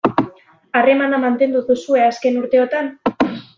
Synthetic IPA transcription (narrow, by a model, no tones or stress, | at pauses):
are̞manamant̪e̞nd̪uðusue̞aske̞nuɾt̪e̞o̞t̪an